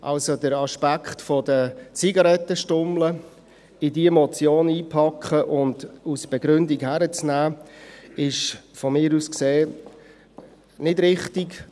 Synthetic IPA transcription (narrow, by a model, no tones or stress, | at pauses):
ʔɑ̰lsodəɾɑʃpækχtfɔd̥ət͡siɡɑɾɛt̪ːəʃtʊmlə | ɪdiəmɔt͡sjoːniːpʰɑkχəʔʊndusb̥ɛɡɾʏndiɡhæɾət͡snæː | ɪʃfɔmɪːɾuskseː | nɪdɾɪχtik